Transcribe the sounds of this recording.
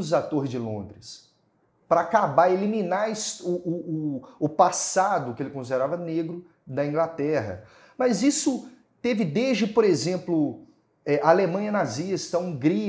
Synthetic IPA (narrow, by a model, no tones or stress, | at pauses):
ʊzat̪oɾzd͡ʒɪlõ̰nd̪ɾɪs | pɾɐakabaelimĩnaɾɪsʊʊːpasad̪ʊkɪelɪkõsid̪eɾavɐneɡɾʊ | d̪ɐĩɡlat̪ɛɦɐ̰ | mɐzisʊ | t̪evɪd̪eʒd͡ʒɪpoɾezẽplʊ | ɛʔɐaalemɐ̃ɲɐnazist̪ɐũɡɾi